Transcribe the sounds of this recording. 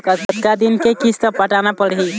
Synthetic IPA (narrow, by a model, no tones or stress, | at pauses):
kət̪ət̪kad̪inkekist̪əpəʈanapəɽɦi